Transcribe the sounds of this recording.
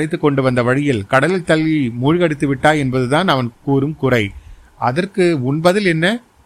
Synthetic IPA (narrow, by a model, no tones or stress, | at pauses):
ɽɪt̪ːɯkːɔɳɖɯʋɐnd̪ɐʋɐɻɪjɪlkɐɽɐlɪlt̪ɐɭːimuːɻɣɐɽɪt̪ːɯʋɪʈːaːɛnbɐðɯt̪aːnɐʋɐnkuːɾɯmkʊrɐɪ | ʔɐðɐrkɯʊnbɐðɪlɛnːɐ